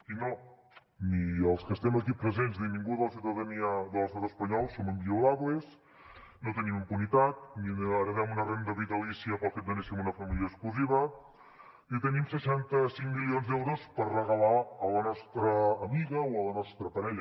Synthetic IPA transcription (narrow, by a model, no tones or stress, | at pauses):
ino | niəlˠskəst̪ɛməkipɾəzenzðimiŋɡuðələs̬iwt̪əðəniəðələst̪at̪əspəɲɔlˠsoməmbiulaβles | not̪ənimimpunit̪at̪̚niəɾəðɛmunərend̪əβit̪əlisiəpəlˠfet̪d̪ənɛsimunəfɐmiljəkskluziβə | it̪ənimsəʃant̪əsiŋmilionzðɛwɾospərrəɣəlaələnɔst̪ɾəːmiɣəwələnɔst̪ɾəpɐɾɛʎə